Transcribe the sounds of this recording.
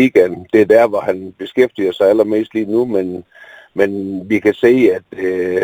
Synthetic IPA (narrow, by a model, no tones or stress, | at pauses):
iɡ̥ænd̥e̝ɐd̥æɐ̰ʋɒhænb̥e̝sɡ̥efd̥iɐsɑ̈ɪælɐme̝̰ːsd̥liːnumen | menʋikʰæse̝̰ːæd̥